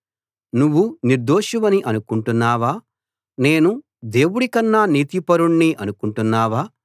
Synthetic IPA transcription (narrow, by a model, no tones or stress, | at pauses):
nuʋːuniɾd̪oːʃuʋɐniʔɐnukuɳʈunːaːʋaː | ne̞ːnu | d̪e̞ːwuɽikɐnːaniːt̪ipɐɾuɳːiʔɐnukuɳʈunːaːʋaː